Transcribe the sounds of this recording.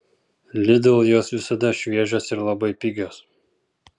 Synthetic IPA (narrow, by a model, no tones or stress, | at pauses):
lʲɪd̪ɐlˠjoːsʋʲɪsɐd̪ɐʃʲʋʲiɛʒʲoːsɪɾlˠɐbɐɪpʲɪɡʲoːs